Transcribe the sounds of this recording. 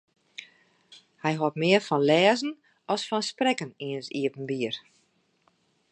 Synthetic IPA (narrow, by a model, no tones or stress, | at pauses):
hɛjɦɔtmɪərfɔnlɛːzən̩ | ɔsfɔnsprɛkəniənsiəpən̩biər